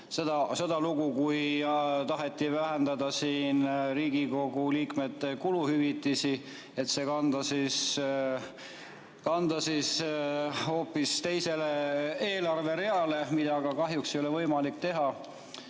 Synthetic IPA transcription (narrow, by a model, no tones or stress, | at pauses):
sed̪ɑse̞d̪̥ɑluɡukujt̪ɑɦe̞t̪ːˑivæɦe̞nd̪ɑd̪̥ɑsiːnɾiːɡiko̞ɡ̥uliːkme̞t̪ːe̞kuluhyvit̪ːˑisi | e̞t̪se̞kɑnd̪ɑsis | kɑnd̪̥ɑsis | ho̞ːpːˑist̪e̞jse̞le̞e̞ːlɑrve̞ɾe̞ɑle̞mid̪̥ɑɡɑkɑɦjuksejolevɤjmɑlikt̪e̞ɦɑ